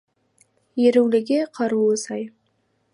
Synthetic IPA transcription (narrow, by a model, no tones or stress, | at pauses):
jeɾewlɪɡʲeqʰɑɾuəsɑj